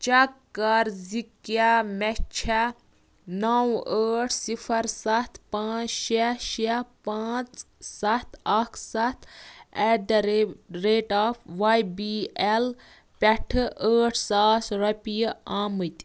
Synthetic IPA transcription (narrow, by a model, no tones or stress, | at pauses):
t͡ʃɐkːɐɾzikjamɛt͡ʃʰa | nɐwəːʈʰsipʰɐɾsɐt̪ʰpãːt͡sʃɐʃɐpaːt͡ssɐt̪ʰɐkʰsɐt̪ʰɛɖɾɾeːʈaːpʰʋajbiɛl | pʲɛʈʰəːʈʰsaːsɾɐpʲijaːmɨt̪ʲ